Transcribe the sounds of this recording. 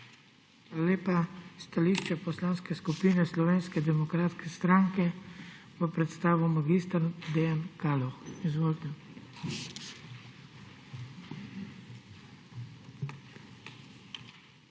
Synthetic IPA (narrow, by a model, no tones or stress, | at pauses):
xalaleːpast̪aliːʃt͡ʃɛpɔslaːnskɛskupiːnɛslɔʋeːnskɛd̪ɛmɔkɾaːt̪skɛst̪ɾaːŋkɛʋəpɾɛt̪st̪aːʋɔmaɡist̪aɾd̪ejankaːlɔxizʋoːlt̪ɛ